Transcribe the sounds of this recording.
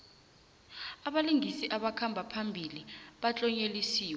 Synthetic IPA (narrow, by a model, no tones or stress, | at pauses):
aɓaliŋʱisiʔaɓakʰambʱapʰambʱiliɓat͡ɬʼɔɲelisiːwɛ